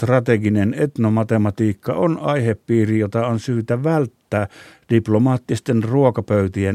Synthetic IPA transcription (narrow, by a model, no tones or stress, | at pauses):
t̪rɑt̪eɡinenet̪nomɑt̪emɑt̪iːkːɑ̰onɑiheppiːrijot̪ɑonsyːt̪æʋælt̪ːæːd̥iplomɑːt̪ːist̪enruokɑpøyt̪ie